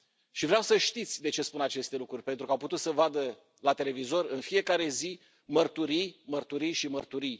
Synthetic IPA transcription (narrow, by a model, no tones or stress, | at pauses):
ʃivɾeawsəʃt̪it̪sʲd̪e̞t͡ʃe̞spunat͡ʃe̞st̪e̞lukɾurʲpe̞nt̪ɾukawput̪ut̪səvad̪ə | lat̪e̞le̞vizo̞rɨnfije̞kaɾe̞zi | mərt̪uɾijmərt̪uɾijʃimərt̪uɾij